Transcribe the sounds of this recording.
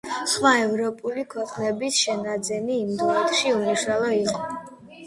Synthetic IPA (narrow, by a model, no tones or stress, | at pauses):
χmaɛvɾɔpʼulikʰwɛqʼnɛbisʃɛnad̪zɛniːmd̪ɔt̪ʼʃiumuʃalˠɔiqʼɔ